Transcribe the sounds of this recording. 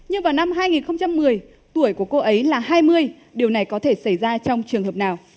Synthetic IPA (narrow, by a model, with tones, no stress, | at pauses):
ɲɨ˧ŋvaː˨˩wna˧mɦaː˧jŋi˨˩nxə˧wŋ͡mt͡ɕa˧mːɨ˨˩əj | t̪u˧˩əjku˧˩əko˧ʔə˨˦jlaː˨˩ɦaː˧jmɨ˧əj | ɗi˨˩əwna˨˩jkɔ˨˦t̪ʰe˧˩sa˧˩jzaː˧t͡ɕɔ˧wŋ͡mt͡ɕɨ˨˩əŋɦəː˨˩p̚naː˨˩w